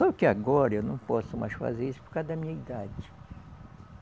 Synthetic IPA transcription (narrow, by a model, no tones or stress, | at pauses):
sɔbʊkɪaɡɔɾɐewnɐ̃w̃pɔsʊma̰jsfa̰zeɾisʊ̥pʊɾkad̪ɐmĩɲɐid̪ad͡ʒɪ